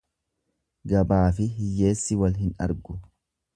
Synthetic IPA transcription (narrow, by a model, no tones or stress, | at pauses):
ɡɐbaːfɪɦɪjːe̞ːsːɪwɐlɦɪnɐ̰ɾɡʊ